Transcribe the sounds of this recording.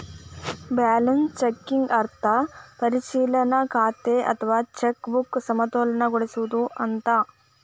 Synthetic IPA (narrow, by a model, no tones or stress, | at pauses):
baːlɐnst͡ʃekːiŋɡɐɾt̪ʰɐpɐɾiʃiːlɐnɐkaːt̪eʔɐ̰t̪ʰɐʋaːt͡ʃekbuksɐmɐt̪oːlɐnɐɡoɽisuʋud̪uʔɐnt̪ɐ